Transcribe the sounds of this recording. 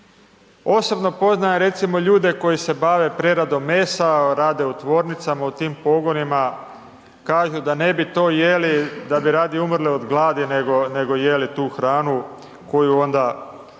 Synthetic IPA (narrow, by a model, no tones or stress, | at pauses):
o̞so̞bno̞po̞znajeɾe̞t̪simo̞ʎuːd̪e̞ko̞jise̞baʋe̞pɾeɾad̪o̞mːeːsaɾaːd̪e̞ut̪ʋo̞ːɾnit̪samaut̪iːmpo̞ɡo̞nima | kaːʒud̪ane̞bit̪o̞ːjelid̪abiɾaːd̪iumr̩lio̞d̪ɡlˠaːd̪ineɡone̞ɡo̞je̞lit̪uːxɾaːnu | ko̞juo̞nd̪a